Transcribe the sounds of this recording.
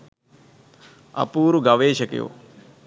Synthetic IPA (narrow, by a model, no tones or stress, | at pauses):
ɐ̰puːɾuɡɐʋeːʃɐkjo̰ː